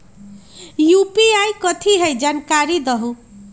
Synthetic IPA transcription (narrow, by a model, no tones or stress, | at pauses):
jupiajkʌt̪ʰiɦʌjd͡zankaɾid̪ʌɦu